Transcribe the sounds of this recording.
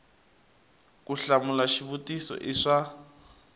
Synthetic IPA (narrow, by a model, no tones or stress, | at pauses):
kʼuɬamulaʃiβutʼisɔ̰ʔiʂa